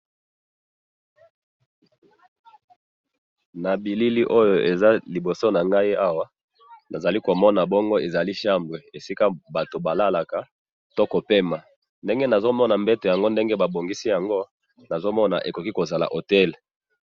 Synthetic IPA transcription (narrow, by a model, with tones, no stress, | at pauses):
na˨bi˨li˦li˦ʔo˦jo˨e˨za˦li˨bo˨so˦na˨ŋɡa˦i˦a˦wa˦ | na˨za˨li˦ko˨mɔ˦na˨bɔ˦ŋɡo˦e˨za˨li˦ʃa˦mbʁe˨e˨si˦ka˦ba˨to˨ba˨la˦la˨ka˨ | to˦ko˨pe˦ma˨ | nde˦ŋɡe˦na˨zo˦mɔ˦na˨mbɛ˦to˨ja˨ŋɡo˦nde˦ŋɡe˦ba˨bo˨ŋɡi˦si˦ja˨ŋɡo˦ | na˨zo˦mɔ˦na̰˨ʔe˨ko˨ki˦ko˨za˨la̰˨ʔo˨tɛ˦l